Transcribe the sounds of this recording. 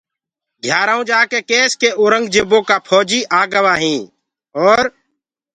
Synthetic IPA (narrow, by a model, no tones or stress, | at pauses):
ɡʱjaːɾaːũːd͡ʒaːkeːkeːskeːoːɾəŋɡd͡ʒeːboːkaːpʰɔːd͡ʒiːʔaːɡəʋaːɦĩː | ɔːɾ